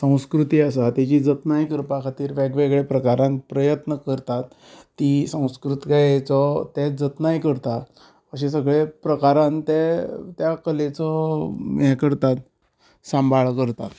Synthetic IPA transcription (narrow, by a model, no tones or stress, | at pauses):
sə̃w̃skɾut̪iːasat̪jat͡ɕiːd͡zət̪najkəɾpakʰat̪iːɾʋɛɡʋeɡɭepɾəkaɾãnpɾəjət̪nəkəɾt̪at̪ː | isə̃w̃skɾut̪ɡajt͡sɔt̪ɛd͡zət̪najkəɾt̪a | əɕ̬ẽs̬əɡɭepɾəkaɾãnt̪ɛt̪jakəlet͡sɔmjɛkəɾt̪at̪ | sãmbʱaɭkəɾt̪at̪